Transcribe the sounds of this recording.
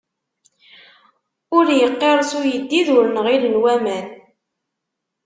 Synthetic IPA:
ʊɾjəqːeɾˤsʊjəd̪ːiðʊɾənʁilənwæmæn

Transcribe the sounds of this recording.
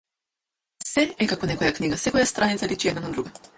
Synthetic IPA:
sɛɛkakvɔnɛkɔjakniɡasɛkɔjast̪ɾanit̪salit͡ʃiɛd̪nanad̪ɾuɡa

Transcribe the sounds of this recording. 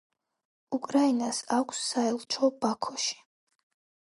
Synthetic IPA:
ukʼɾainasakʷʰsːaɛlˠt͡ʃʷʰɔbakʰɔʃi̥

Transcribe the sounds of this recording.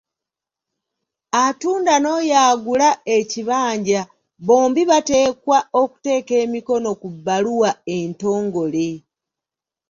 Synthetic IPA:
atuːndano̞ːjaːɡulaeciβaːɲɟa | βo̞ːmbiβate̞ːkwao̞ku̥te̞ːke̞ːmiko̞no̞kubːaluwae̞nto̞ːŋɡo̞le

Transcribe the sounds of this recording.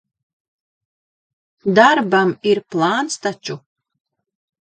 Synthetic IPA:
d̪aɾbamiɾplˠaːnst̪at͡ʃu

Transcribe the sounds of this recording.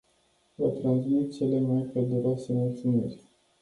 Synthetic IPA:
vat̪ɾansmit̪̚t͡ʃelemajped̪uɾasemot̪sunḛrʲ

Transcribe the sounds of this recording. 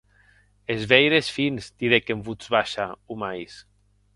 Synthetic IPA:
ezβejɾesfinst̪iðekembuzβaʃaumajs

